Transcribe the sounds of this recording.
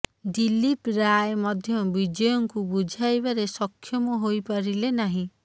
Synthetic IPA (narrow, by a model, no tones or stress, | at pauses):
dilipɾajmɔd̪ʱjɔbid͡ʒɔjɔŋkubud͡ʒʱajbaɾesɔkʰːjɔmɔɦojpaɾilenaɦĩ